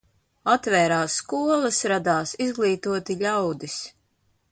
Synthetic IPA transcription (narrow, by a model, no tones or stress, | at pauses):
at̪vɛːɾaːsːkuɔlˠɐsɾad̪aːsizɡlˠiːt̪uɔt̪iʎʲawd̪is